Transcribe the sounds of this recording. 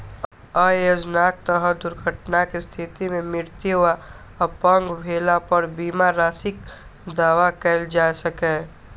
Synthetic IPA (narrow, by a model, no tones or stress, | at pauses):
aːjoːd͡ʒnaːk̚t̪əɦə̃d̪ʊɾɡʱəʈnakest̪ʰɪt̪imẽmɪɾt̪iʊʋa | əpə̃ŋɡbʱeːlapəɾbiːmaɾaːsɪk | d̪aːʋakɛld͡ʒaːsəkɛ